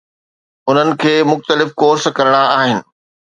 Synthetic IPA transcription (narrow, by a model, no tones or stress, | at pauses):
ʊn̤ənɪ̆kʰeːmʊxt̪əlɪfkoːɾskɐɾəɽ̃aaːɦɪnɪ̆